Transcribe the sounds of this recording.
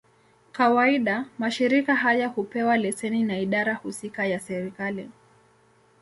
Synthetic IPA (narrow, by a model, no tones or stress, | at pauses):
kawaiɗamaʃiɾikaɦajahupɛwalɛsɛninaiɗaɾahusikajasɛɾikali